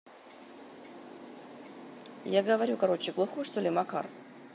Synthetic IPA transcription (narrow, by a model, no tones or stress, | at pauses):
jaɡəvɐɾʲukɐɾo̞t͡ɕɪɡlˠʊxojʂt̪olʲɪmɐka̰ɾf